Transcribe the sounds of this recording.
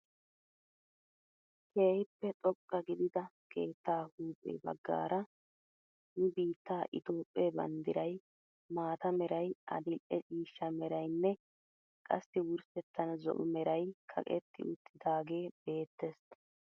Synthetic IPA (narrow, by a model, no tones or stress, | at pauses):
kʰeːhɪpːɛt̪ʼɔkʼːɐɡɪd̪ɪd̪ɐkʰe̞ːt̪ːaːhuːpʼḛbɐ̰ɡːa̰ːɾɐ | jɪbiːt̪ːaːʔɪt̪o̞ːpʼːebɐ̰nd̪ɪɾɐj | maːt̪ɐmɛɾɐjʔɐ̰d̪ɪlʔɛt͡ʃʼiːʃːɐmɛɾɐjnːɛ | kʼɐsːɪwʊɾsɛt̪ːɐnzɔ̰ʔʊmɛɾɐjkʰɐ̰kʼɛ̰t̪ːɪ̰ʊt̪ʰːɪd̪aːɡe̞ːb̥e̞ːt̪ːɛsɐ